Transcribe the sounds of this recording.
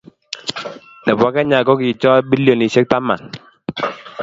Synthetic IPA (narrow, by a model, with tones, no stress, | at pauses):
nɛ˨bwɔ˨˦kɛ˦ɲa˨kɔ˦ki˨t͡ʃɔ˦bi˦ljo˨ni˨se˦k̚ta˦ma̰˨ŋ